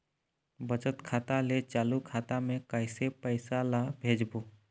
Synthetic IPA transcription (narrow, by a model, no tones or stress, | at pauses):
bət͡ʃət̪kʰaːt̪alet͡ʃaːlukʰaːt̪amẽkəɪsepəɪsalabʱeːd͡ʒboː